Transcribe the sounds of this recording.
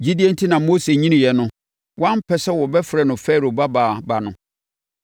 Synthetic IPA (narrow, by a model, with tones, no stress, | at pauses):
d͡ʑi˦di˦e˦n̩˦tʰi˦nã˨mo˦se˨ɲĩ˦nɪ̃˨jɛ˨nʊ̃˦ | wã˦m˦pʰɛ˨sɛ˦wɔ˨bɛ˦fɾɛ˨nʊ̃˨fɛː˦˨ɾo˨ba˦baː˨ba˨nʊ̃˨